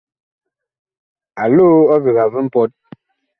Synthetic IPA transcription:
a˨lo˦ɔ˦vi˨ɣa˨vɨ˦m̩˦pɔ˦t̚

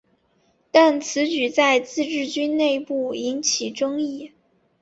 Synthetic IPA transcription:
t̪a˥˩nt͡sʰɹ̩˧˥t͡ɕy˨˩t͡sa˥˧ɪt͡sɹ̩˥˧ʈ͡ʂɻ̩˥˩t͡ɕy˥nne˥˧ɪpu˥˩i˧˥nt͡ɕʰi˨˩ʈ͡ʂɤ˥ŋi˥˩

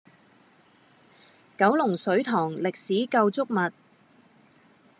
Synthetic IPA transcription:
kɐ˨˥wlʊ˨˩ŋsɵ˨˥ɥt̪ʰɔː˨˩ŋlɪ˨k̚siː˨˥kɐ˧wt͡sʊ˥k̚mɐ˨t̚

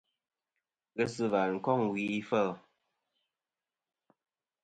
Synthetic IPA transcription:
ɣə˦sɨ˦va˨ŋ̩˨kɔ˦˨ŋwi˨i˦fə˦˨

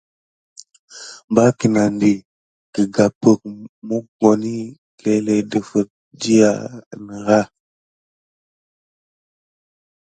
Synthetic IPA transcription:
mba˦ki˨na˨ndi˨ | kə˨ɡa˨pə˨k̚mu˦ɡo˨ni˦ | ke˦le˨də˨fə˨t̚ | d͡ʒi˦ja̰˨nə˨ɣa˦

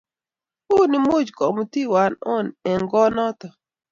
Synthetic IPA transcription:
o˦nɪ˦mo˦d͡ʒkɔ˨m˨˦ti˦wa˨nɔ˦nɛ˨ŋɡɔ˦nɔ˦t̪ɔ˨

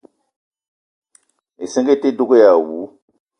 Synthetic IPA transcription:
e˨sĩ˦ŋ˦ɡe˦te˦du˦ɡo˦ja˨wu˨˦

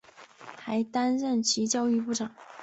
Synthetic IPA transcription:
xa˧˥ɪt̪a˥nɻə˥˩nt͡ɕʰi˧˥t͡ɕjɑ˥ʊy˥˧pu˥˩ʈ͡ʂɑ˨˩˦ŋ

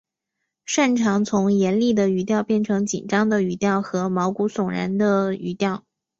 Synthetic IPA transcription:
ʂa˥˩nʈ͡ʂʰɑ˧˥ŋt͡sʰʊ˧˥ŋjɛ˧˥nli˥˩d̪ə˩y˧˥t̪jɑ˥˧ʊpjɛ˥˩nʈ͡ʂʰɤ˧˥ŋt͡ɕḭ˨˩nʈ͡ʂɑ˥ŋd̪ə˨y˧˩t̪jɑ˥˩ʊxɤ˧˥mɑ˧˥ʊku˧˥sʊ˨˩ŋɻa̰˧˥nd̪ə˧y̰˧˥t̪jɑ˥˩ʊ

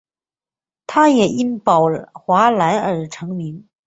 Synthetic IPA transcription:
t̪ʰa˥jɛ˨˩i˥npɑ˨˩ʊxwa˧˥la˧˥nə˞˨˩ʈ͡ʂʰɤ˧˥ŋmi˧˥n

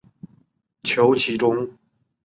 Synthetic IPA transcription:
t͡ɕʰjo˧˥ʊt͡ɕʰi˧˥ʈ͡ʂʊ˥ŋ

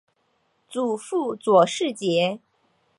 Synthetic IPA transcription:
t͡su˨˩fu˥˩t͡swɔ˨˩ʂɻ̩˥˩t͡ɕjɛ˧˥

